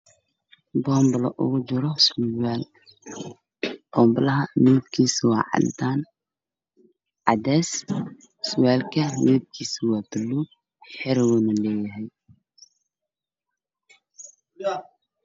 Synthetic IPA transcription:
bɔːmblɐ̰ʔʊɣʊd͡ʒɪɾɔsɛːl | b̥ɔmblɐɦɐnuːb̚kʰiːswa̰ːʕɑ̰l̰d̪aːn | ʕɑd̪ɛs | swɛːlkʰɐmɛːb̚kʰiːswaːbɪlːu | ħɪɾwɔnɐlɛːjɐɦɛj

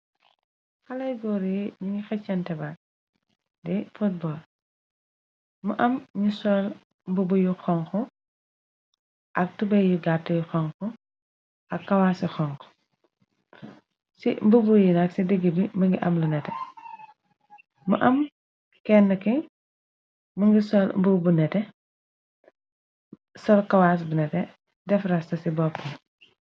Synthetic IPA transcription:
xɐlɐjɡɔɾiɲuŋɡixɛt͡ʃːɐntɛba | dɛfut̚bɔl | mɐʔɐmɲusɔl | mbubujuxɔŋkɔ | ʔɐk̚tubɛjiɡatːɐjuxɔŋkɔ | ɐkːɐwaːsixɔŋkɔ̥ | simbubujinɐksidəɡibimɐŋɡiʔɐmlɐnɛtɛ | mɐʔɐm | kɛnːɐki | muŋɡisɔlmbubunɛtɛ | sɔlkɐwaːs̬bunɛtɛ | dɛfrɐstɐsibɔpːɐ

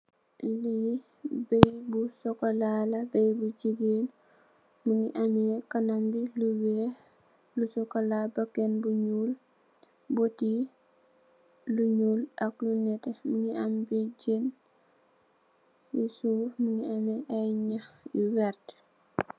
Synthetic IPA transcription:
li | bɛjbusɔkolalɐbejbud͡ʒiɡen | muŋiʔɐmɛkanambiluwe | lusɔkolabakːenbuɲuːl | bɔti | luɲuːlʔɐklunɛtemuŋiʔambid͡ʒeːn | sisuːmuŋiamɛʔajɲaxjuwɛɾt

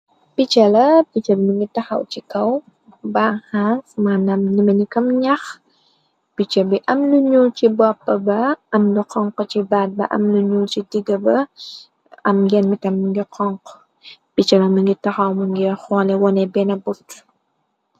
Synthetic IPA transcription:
pit͡ʃɐlɐpit͡ʃɐbmiŋɡitɐxɐ̰wt͡ʃikɐw | baːhansmaːnɐmnimɐnikɐmɲɐx | pit͡ʃɐbiʔɐmnuɲuːt͡ʃibɔpːɐbɐɐmduqɔŋqɔt͡ʃibat̚bɐ̰ʔɐ̰mnuɲuːt͡ʃidiɡɐbɐ | ɐ̰mɡɛnmitɐmːiŋɡiqʰɔŋq | pit͡ʃɐlɐmiŋɡitɐxɐwmuŋɡixɔːlɛwɔnɛbɛnɐburt

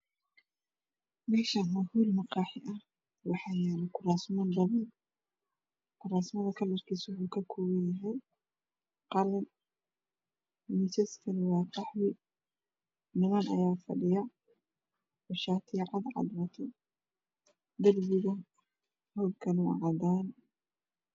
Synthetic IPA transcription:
mɛːʃɐnmɐhuːlmɑqɑːħɪʔɐh | wɑħɑːjɛɾɪkʰʊraːsmɐnd̪ɐβɐn | kʰʊraːsmɐðɐkʰɐlːɐrkʰiːsʊwuːkʰɐkʰɔːwɐnjɐɦɛj | qɑlɐn | mɪt͡ʃɛskʰɐlwɑːqɑħwɪ | nɪmɐnɐ̰jaːfɐ̰ɖɪjɐ | wɔʃaːt̪ʰɪʕɑd̪ʕɑ̰d̪wɐt̪ʰɔ | d̪ɐlbɪɣɐ | hɔːbkʰɐlṵʕɑd̪aːn

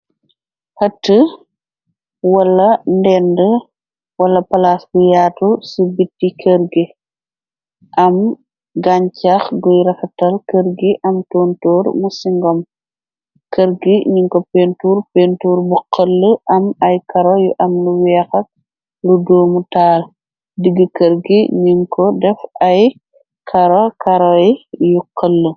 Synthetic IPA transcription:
hɐtːə | wɐlːɐndɛndə | wɐlɐpɐlaːsbujaːtusubitːikʰəɾɡi | ʔɐm | ɡaɲcaxɡujɾɐkɐtɐlkəɾɡiʔɐmtɔːntɔːɾmusiŋɡɔm | kəɾɡiɲiŋkɔpentuːɾpentuːɾbuqʰːɐlːəʔɐmɐjkɐɾojuʔɐmluwɛːxɐk̚ | ludoːmutaːl | diɡːəkəɾɡiɲiŋkʰɔdɛfɐj | kʰɐɾokɐɾɔɛjuqːəlːə

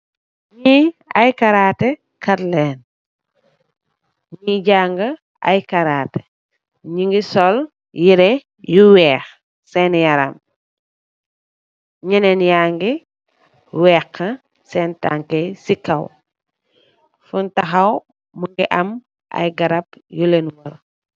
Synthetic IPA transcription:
ɲiɐjkaɾaːtɛ | kɐtlɛːn | ɲiɟaŋɡɐ | a̰jkaɾaːte̥ | ɲiŋɡisɔl | jiɾɛ | juwɛːx | sɛnjɐɾɐ̰m | ɲɛnɛnjaːŋɡi | wɛːkʰːɐ | sɛnta̰ŋkesikɐw | funtɐxɐw | muŋɡiʔɐm | ʔɐ̰jɡɐɾɐpjulenwɐl

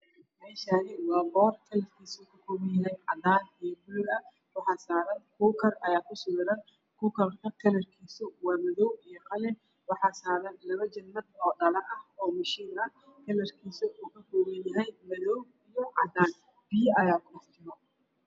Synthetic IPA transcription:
ɛ | mɛːʃaːnɪwɑːbɔːrkʰɐlɐrkʰiːsɐkʰɐkʰɔːmɪnjɐɦɛjʕɑd̪aːnijɔbʊlʊlɐ | wɑħɑːsaːɾɐnkʰuːkʰɐrʔɐjaːkʰʊsʊɣɾɐn | kʰuːkʰɐlɐk̪ʰɐlɐrkʰiːsʊwɑːmɐðɔwijɔqɐlɛ | wɑħɑːsaːɾɐnlɐβɐt͡ʃɐnːɐd̪ɔːɗɐlɐɐhɔːmɐʃiːnɐ | kʰɛlɐrkʰiːsɐʔuːkʰɐkʰɔːmɐnjɐɦɛjmɐðɔw | ijɔʕɑ̰d̪aːn | b̥ɪjɐʔɐjaːkʰʊɗɐħt͡ʃʰɪɾɔ

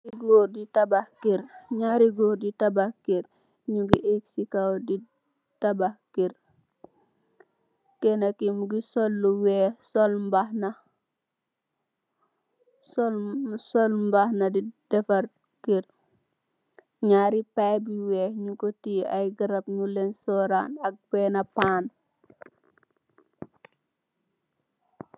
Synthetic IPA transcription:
iɡoːɾditɐbahkiɾɲaːɾiɡoːɾditɐbahkiɾ | ɲuɡiʔek̚sikawdi | tɐbahkiɾ | kɛnɐkimuɡisɔlːuwɛsɔlmbahnɐ | sɔlsɔlmbahnɐdid̥ɛfɐɾ | kiɾ | ɲaɾipajbiwɛɲikɔtiːɐjɡəɾɐpɲulensɔːɾaːnɐk̚b̥ɛnɐpaːn

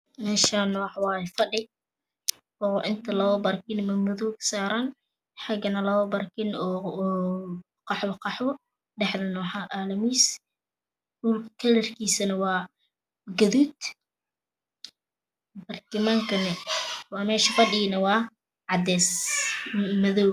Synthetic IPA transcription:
mɛːʃanɔwħwɑːjɛfɐɗɪ | ʔɔːʔɪnt̪ʰɐlɐɔbɐrkɪnmɐmʊðuksaːɾan | ħɑɡɐnɐlɐɔbɐrkʰɪnɔː | qɑħwɐqɑħwɔ | ɖɛħðɐnɔːħaʔaːlɐmiːs | duːlkʰɐlɐrkʰiːsɐnɐwɑː | ɡɐðuːd̪ | bɐrkɪmaŋkʰɐnɛwɑːmɛːʃɐfɐɗɪnɐwɑː | ʕɑd̪ɛːs | mɐðɔwɡ

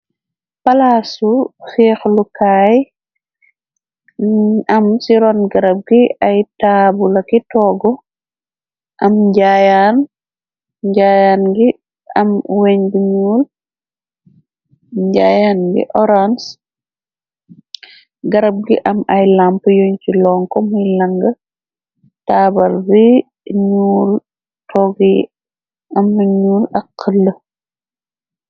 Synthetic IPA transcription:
pɐlasufɛːxlukaːj | ɐmsiɾɔnɡɐɾɐb̚ɡiɐjtaːbulɐkitɔːɡɔ | ʔɐmɟaːjan | ɟaːjaːnɡi | ɐmweɲɡuɲuːl | ɲɟaːjaːnɡḭʔɔɾans | ɡɐɾɐb̚ɡiʔɐmɐjlampjɔɲcilɔːŋkɔmujlɐŋɡə | taːbɐlbi | ɲuːl | tʰɔɡi | ɐmːuɲuːlɐkʰːəlːə

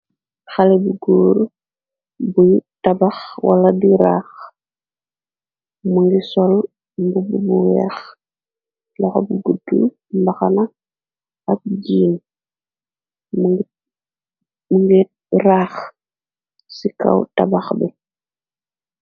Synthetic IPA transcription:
xalebuɡuːɾ | bujtabaxwa̰ladiɾa̰ːx | muŋɡisɔl | mbububuwɛx | lɔxobuɡudu | mbaxana | ak̚ɟiːn | mɡ | muŋɡi | ɾaːx | sika̰wtabaxbɛ

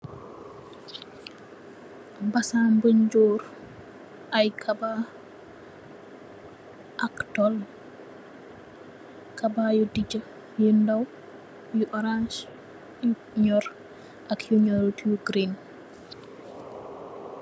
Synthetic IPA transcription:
basambəɲd͡ʒɔːɾ | ʔajkʰaba | ʔaktɔl | kabajudid͡ʒə | jindaw | juʔɔɾans | j | ɲɔɾ | ʔakjuɲɔɾtiuɡɾin

